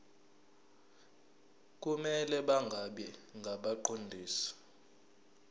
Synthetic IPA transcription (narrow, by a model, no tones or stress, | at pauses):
k̬ʼumɛlɛɓaŋɡʱaɓɛŋɡʱaɓaǃʰondʱiːsɔ̥